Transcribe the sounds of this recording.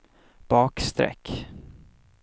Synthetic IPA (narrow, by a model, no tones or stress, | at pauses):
b̥ɑːkst̪ɾɛ̰kː